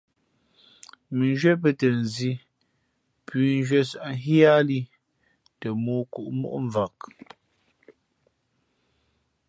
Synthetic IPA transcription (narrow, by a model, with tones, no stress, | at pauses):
mi˨n˦ʒɥɛ˦p̬ə˦tə˨n˨zi˦ | pɥi˨n˦d͡ʒɥɛ˦sa˨ʔŋ˦ɦja˦li˦ | tə˨muː˦ku˨ʔmṵ˦ʔɱ˨va˨k̚